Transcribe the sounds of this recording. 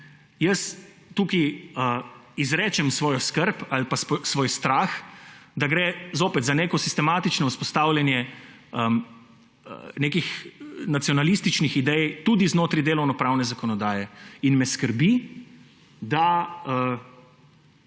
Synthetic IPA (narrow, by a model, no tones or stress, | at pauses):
jəs | t̪uːkiəizɾɛːt͡ʃɛmsʋoːjɔskəɾpalpassʋoːjst̪ɾaːxd̪aɡɾɛːzoːpɛt̪zaneːkɔsist̪ɛmaːt̪it͡ʃnɔuspɔst̪aːwlʲjanjɛ | ə | ə̰neːkixnat̪sjɔnalist̪it͡ʃnixid̪ɛjt̪uːd̪iznoːt̪ɾid̪eːlɔwnɔpɾaːwnɛzakɔnɔd̪aːjɛinmɛskəɾbi | d̪aə